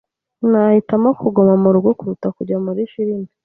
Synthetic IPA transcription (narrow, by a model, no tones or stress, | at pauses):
nahitamokʰuɡomamuɾubɡokuɾutakuɾɟamuɾiʃiɾimi